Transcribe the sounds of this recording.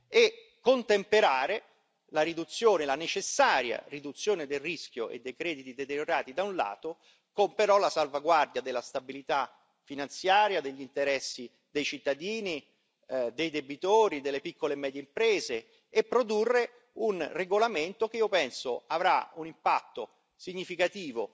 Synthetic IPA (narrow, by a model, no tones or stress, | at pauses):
e | kːont̪empeɾaːɾe | laɾid̪ut̪sːjoːnelanet͡ʃesːaːɾja̰rid̪ut̪sːjoːned̪elrisk̟ʲjo̰ʔḛd̪ːejkɾɛːd̪it̪id̪et̪eɾjoɾaːt̪id̪aunla̰ːt̪o | kompeɾɔlasalvaɡward̪jad̪elːast̪abilit̪a | finant̪sjaːɾjad̪eʎːint̪eɾɛsːi | d̪ejt͡ʃit̪ːad̪iːni | d̪ejd̪ebit̪oːɾid̪elːepikːolemɛːd̪jeimpɾeːzeː | pːɾod̪urːe | unreɡolament̪ok̟eiːopɛnsoavɾaunimpat̪ːo | siɲːifikat̪iːvo